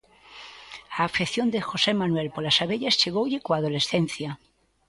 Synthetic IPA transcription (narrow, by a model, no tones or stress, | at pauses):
aːfeθjo̞nd̪exo̞se̞manwe̞lpolasaβeʎast͡ʃeɣowʎikoað̞o̞le̞sθe̞n̟θja